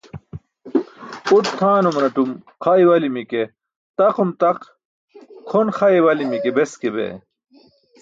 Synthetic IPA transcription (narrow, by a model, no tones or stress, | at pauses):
uʈ̚t̪ʰːaːnumnɐʈum | qʰaiwɐlimike | t̪ɐqumt̪ɐq | kʰonxɐjwɐlimikebeskebḛ